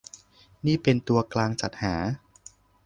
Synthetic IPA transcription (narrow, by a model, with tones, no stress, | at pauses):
niː˥˩pe˧nt̪u˧ɐklaː˧ŋt͡ɕa˨˩t̪̚haː˩˦